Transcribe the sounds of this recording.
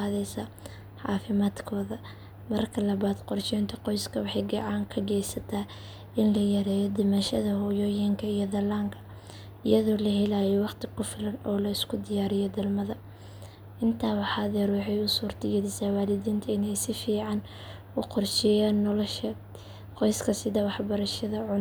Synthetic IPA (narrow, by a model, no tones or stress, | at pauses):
aːðɛsɐ | ħɑ̰ːfɪmaːd̪kʰɔːðɐ | mɐrkʰɐlɐβaːd̪qɔrʃɛjnt̪ʰɐqɔjskʰɐwɑħɑjɡɑʕɑːŋkʰɐɡɛjsɐt̪ʰaː | ɪnlɐjɐɾɛːjɔd̪ɪmɐʃɐðɐhɔːjɔːjɪŋkʰɐijɔðɐlaːŋkʰɐ̥ | ɪjɐðɔːlɐɦɛlaːjɔwɑqt̪ʰɪkʰʊfɪlɐnɔːlɐɪskʰʊd̪ɪjaːɾɪjɔd̪ɐlmɐðɐ | ʔɪnt̪ʰaːwɑħɑðɛɾwɑħɛjʊsuːrt̪ʰɪɡɛðɪsaːwaːlɪdiːnt̪ʰɐɪnɛjsɪfiːʕɑn | ʊqɔrʃɛjaːnːɔlɔʃɐ | qɔjskʰɐsɪðɐwɑħbɐɾɐʃɐðɐʕʊn